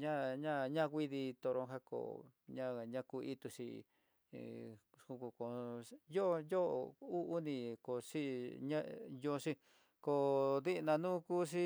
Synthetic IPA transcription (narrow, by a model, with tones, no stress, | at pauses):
ɲã˦ɲã˦ɲã˦˧kʷi˦ði˧t̪o˧ɾõ˧ɦa˦ko̰˨ɲã˦ɲã˦˧ku˧i˦t̪u˧ʂḭ˧˨ | ku˧ku˧ko˨jo˦˧jo˦˧u˦u˦nĩ˧ko˨ʂi˦ɲã˦jo˧ʂi˦ | ko˧ði˦ʔnã˧nũ˦kuː˦ʂ̬i˦